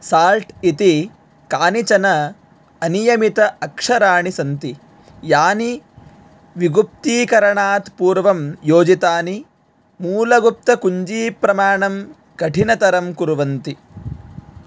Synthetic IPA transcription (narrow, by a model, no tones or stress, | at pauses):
saːlʈit̪i | kaːnit͡ʃɐnɐ | ɐnijɐmit̪ɐɐkʂɐɾaːɳisɐnt̪i | jaːni | ʋiɡup̚t̪iːkɐɾɐɳaːt̪puːɾʋɐmjoːd͡ʒit̪aːni | muːlɐɡup̚t̪ɐkuɲd͡ʒiːpɾɐmaːɳɐm | kɐʈʰinɐt̪ɐɾɐmkuɾʋɐnt̪i